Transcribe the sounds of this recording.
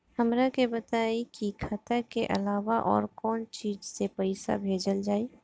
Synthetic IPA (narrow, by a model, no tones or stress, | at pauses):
həmɾakebət̪aːikikʰət̪əkeʔɐ̰laːʋaʔɔ̰ːɾkɔːnt͡ʃiːd͡ʒsepəɪsa̰bʱeːd͡ʒəld͡ʒaːi